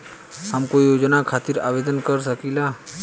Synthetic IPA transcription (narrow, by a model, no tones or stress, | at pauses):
hɐmkoijoːd͡ʒnakʰaːt̪iɾa̰ːʋeːd̪ənkəɾsɐkilaː